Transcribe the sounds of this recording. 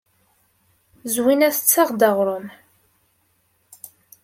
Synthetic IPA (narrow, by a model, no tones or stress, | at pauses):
zwinæθət͡sːɑʁd̪ɑʁɾˤʊm